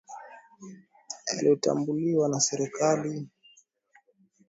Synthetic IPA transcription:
aliɔta̰mbuliwanasɛɾikali

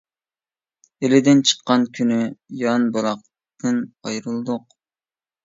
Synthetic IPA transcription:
elɪd̪ɪnt͡ʃʰə̥qːɑnkʲʰynyjɑnbolˠɑq̚ | t̪ɨnɑjɾɨlˠd̪ʊq

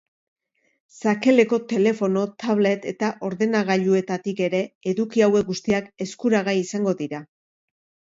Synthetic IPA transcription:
sake̞le̞ko̞t̪e̞le̞fo̞no̞t̪aβle̞t̪e̞t̪aʔo̞ɾðe̞naɣ̞aʎue̞t̪at̪ike̞ɾe̞eðukiawe̞k̚ɡust̪iake̞skuɾaɣaisaŋɡo̞ðiɾa

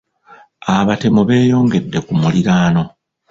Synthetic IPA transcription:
aβate̞muβe̞ːjo̞ːŋɡe̞dːe̞kumuliɾaːno̞

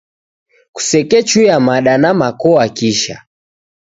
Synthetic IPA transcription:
ku̥sɛkɛt͡ʃujamaɗanamakɔakiʃa̰

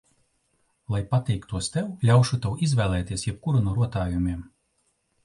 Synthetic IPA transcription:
lˠajpat̪ʲɛjkt̪uɔst̪ɛwlʲawʃut̪ɛwizvʲɛːlˠɛːt̪iɛsjɛp̚kuɾunuɔɾuɔt̪aːjumʲiɛm

